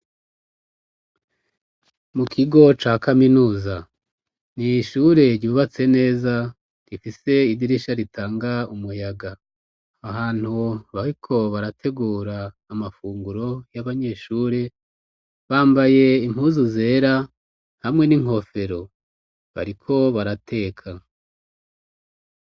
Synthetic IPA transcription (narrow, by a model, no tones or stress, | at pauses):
mukʰiɡo̞t͡ʃaːkaminuːza | niʃuɾe̞ɾɟuːβat͡se̞ne̞ːza | ɾifise̞idiɾiʃaɾitʰaːŋɡaumujaɡaː | ɦaːn̥huβaɾikʰo̞βaɾatʰe̞ɡuːɾaː | mafuːŋɡuɾo̞jaβaɲe̞ʃuːɾe | βaːmbaje̞im̥huːzuze̞ːɾa | hamŋe̞niŋ̥o̞fe̞ɾo̞ | βa̰ɾikʰo̞βaɾatʰe̞ːkʰa